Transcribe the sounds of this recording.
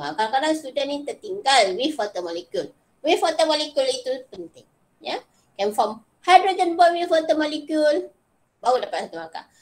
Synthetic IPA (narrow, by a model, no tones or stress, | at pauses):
a̰kakadaŋstudənnit̪ərt̪iŋɡalwifɔt̪əmɔlikjul | wifɔt̪əmɔlikjulit̪upənt̪ɪŋ | ja | kɛmfɔm | hajdɾəd̪ənbɔwifɔt̪əmɔlikjul | bawudapat̪̚sat̪umaka̰